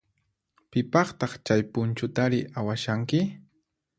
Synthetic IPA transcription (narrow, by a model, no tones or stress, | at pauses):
pɪpɑχt̪ɑχt͡ʃajpʊnt͡ʃʊt̪aɾɪʔawaʃaŋkɪ